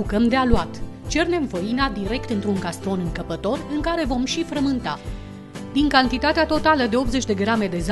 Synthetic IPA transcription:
ukəmd̪ealuat̪ | t͡ʃe̞rne̞mvəinad̪iɾe̞kt̪ɨnt̪ɾuŋɡast̪ɾo̞nɨŋkəpət̪o̞rɨŋkaɾe̞vo̞mʃifɾəmɨnt̪a | d̪iŋkant̪it̪at̪eat̪o̞t̪aləd̪e̞o̞p̪ze̞t͡ʃʲd̪e̞ɡɾame̞d̪e̞z

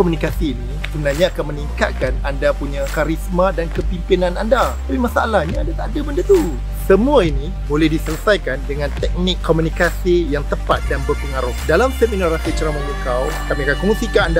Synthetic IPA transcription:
komunikasiːni | səənahɲaːkanməniŋka̰t̪̚kanandapuɲakaɾismãdankəpimpinãnandat̪apimasaalahɲaːndat̪adəbəndat̪u | səmũaini | molɛhdisələsajkandəŋãnt̪ɛk̚nɪkʰːomunikasijaŋt̪əpat̪̚danbərpəŋaɾʊhdalamsəminoɾasit͡ʃɾamaŋukaw | kamiakankomunsikaːnda

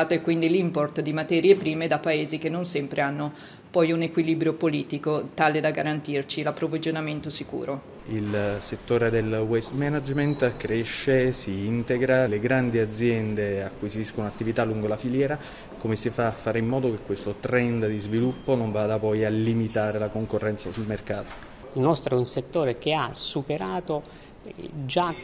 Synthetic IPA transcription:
at̪oɛkːwind̪ilimport̪d̪imat̪ɛːɾjepɾiːmed̪apːaeːzik̟enːonsɛmpɾeanːo | pɔjunekwilibɾjopoliːt̪ikot̪aːled̪aɡaɾant̪irt͡ʃilapːɾovid͡ʒonament̪osikṵːɾo | ilset̪ːoːɾed̪elwɛst̪mɛnad͡ʒment̪kɾeʃːesiint̪eɡɾaleɡɾand̪iad̪zːjɛnd̪eakːuisiskouat̪ːivit̪aluŋɡolafiljɛːɾa | komesifaːfːaːɾeimːɔːd̪ok̟ekːwest̪ot̪ɾɛnd̪d̪izvilupːonoɱvaːd̪apɔjalːimit̪aːɾelakoŋkorːɛnt̪sasulmerkaːt̪o̥ | ilnɔst̪ɾounset̪ːoːɾek̟easupeɾaːt̪o | d͡ʒa

